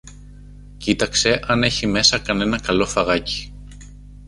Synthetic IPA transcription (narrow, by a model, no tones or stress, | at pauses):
cit̪ɐkse̞ʔɐne̞çime̞sɐkɐne̞nɐkɐlo̞fɐɣɐci̥